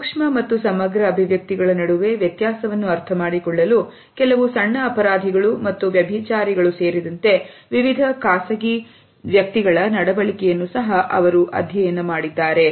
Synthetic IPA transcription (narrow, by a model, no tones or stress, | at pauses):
ukʂmɐmɐt̪ːusɐmɐɡɾɐːbʱiʋjɐk̚t̪iɡɐɭɐnɐɽuʋe̞ʋjɐt̪jaːsɐʋɐnːuɐɾt̪ʰɐmaːɽikɔɭːɐlu | kɛlɐʋusɐɳːɐːpɐɾaːd̪ʱiɡɐɭumɐt̪ːuʋjɐbʱit͡ʃaːɾiɡɐɭuse̞ːɾid̪ɐnt̪e̞ʋiʋid̪ʱɐkaːsɐɡi | ʋjɐk̚t̪iɡɐɭɐnɐɽɐbɐɭikɛjɐnːusɐɦɐʔɐʋɐɾuʔɐ̰d̪ʱjɐjɐnːɐmaːɽid̪ːaːɾe̞